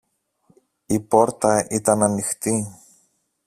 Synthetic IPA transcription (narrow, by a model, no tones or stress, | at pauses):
ipo̞ɾt̪ɐit̪ɐnɐnixt̪i